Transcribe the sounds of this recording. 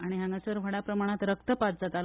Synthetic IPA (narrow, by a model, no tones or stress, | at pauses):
aɽ̃iɦaŋɡasəɾʋ̤ʱəɽapɾəmaɽ̃at̪ɾək̚t̪əpat̪̚d͡zat̪al